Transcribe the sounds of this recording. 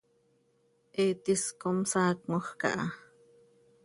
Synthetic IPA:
ʔeːt̪iskomsaːk̚moχkɑ̰ʔɑ

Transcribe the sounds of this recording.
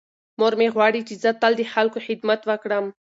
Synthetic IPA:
moɾmeɣwɑɽit͡ʃezət̪ald̪əxalkoxɪd̪mat̪wəkɽəm

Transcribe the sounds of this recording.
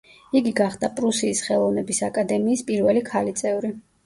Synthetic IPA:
iɡiɡaχd̪apʼɾusiːsχɛlˠɔvnɛbisakʼad̪ɛmiːspʼiɾvɛlikʰalit̪sʼɛvɾi

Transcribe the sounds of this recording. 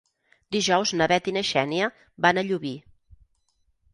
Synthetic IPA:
d̪iʒɔwznəβɛt̪inəʃɛniə | banəʎuβi

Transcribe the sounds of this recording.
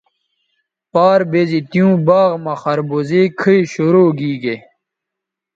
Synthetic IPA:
paːɾbezit̪ijũːbaːʁmɐxɐɾbozekʰiiɕoɾoːɡiːɡe

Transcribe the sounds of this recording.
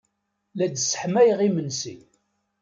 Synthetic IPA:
læd̪sə̥ħmæjʁimənsḭ

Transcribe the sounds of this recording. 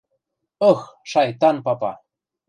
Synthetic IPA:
ɤxʃɑjt̪ɑnpɑpɑ̰

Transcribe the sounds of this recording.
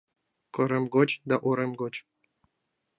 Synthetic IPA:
koɾemɡot͡ɕd̪aʔoɾemɡot͡ɕ

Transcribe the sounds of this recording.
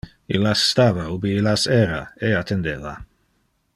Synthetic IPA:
ḭlast̪aːvaubiilaseɾa̰eat̪ʰend̪eva

